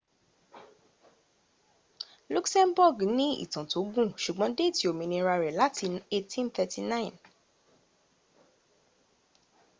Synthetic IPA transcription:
lu˦ksɛ̃˦nbɔ˦˨ɡnĩ˦ḭ˦˨tã˨to˨˦ɡũ˦˨ʃu˨ɡ͡bɔ̃˨˦de˦˨ti˨o˨mĩ˨nĩ˧ɾa˧ɾɛ˨la˦tʰi˧e˧tʰĩ˦nt̪ɛ˧ti˧nã˦ĩ˨n

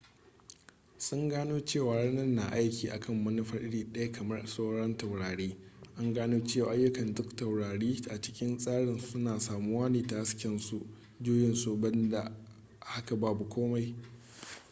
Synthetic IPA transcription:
sʊ˦ŋɡaː˦noː˦t͡ʃeː˦˨waː˨ɽaː˦nɐ˦rːa˨ʔa˦jkʲiː˨ʔa̰˨kʰɐ˦mːɐ˦nɪ˦ɸɐ˨rʔɪ˦ɽiː˨ɗɐ˦ja˦kʰɐ˨mɐ˦rsoː˦ɽɔ˦nta˨wɽaː˨ɽeː˦ | ʔa˦ŋɡaː˦noː˦t͡ʃeː˦˨waː˨ʔa˦jːʊ˦kɐ˨ndʊ˦ktːa˨wɽaː˨ɽiː˦ʔa˨t͡ʃɪ̥˦kʲɪ˦nsʼaː˦ɽɪ˨nsʊ˦naː˨saː˨mu˦waː˦niː˨ta˨ha˦skʲɪ˨nsu˦ʔ | d͡ʒoː˦jɪ˨nso˨bɐ˦nda˨ | ha˦ka˨baː˦bu˨kʷoː˦ma˨j

